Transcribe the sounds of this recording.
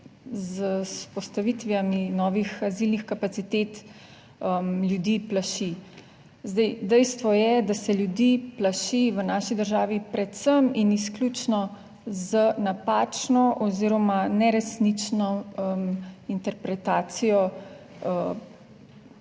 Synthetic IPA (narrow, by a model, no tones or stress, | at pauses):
zəspɔst̪aʋit̪ʋiaminɔːʋixazilnixkapat̪sit̪et̪ | əmljud̪iːplaʃi | zd̪ɛjd̪ɛjst̪ʋɔjɛd̪asɛljud̪iplaʃiʋənaːʃid̪əɾʒaːʋipɾɛt̪səminisklʲuːt͡ʃnɔ | zənapaːt͡ʃnɔʔɔziɾɔmanɛɾɛsnit͡ʃnɔəmint̪ɛɾpɾɛt̪aːt̪sijɔ | ə